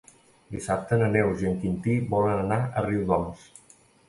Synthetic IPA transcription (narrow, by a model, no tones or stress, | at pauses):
d̪isap̚t̪ənənewziəŋkint̪iβɔlənənaʔəriwðɔms